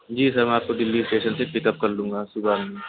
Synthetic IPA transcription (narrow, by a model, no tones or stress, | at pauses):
d͡ʒiːsɐɾmɛ̃aːp̚kod̪ɪlːisʈeːʃənsepɪkəp̚kɐɾlũːŋ̆ɡaːsʊbaːnmẽ